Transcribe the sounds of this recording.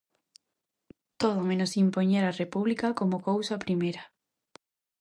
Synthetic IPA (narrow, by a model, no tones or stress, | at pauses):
t̪oðomẽnosimpoɲeɾarepuβlikakomokowsapɾimejɾɐ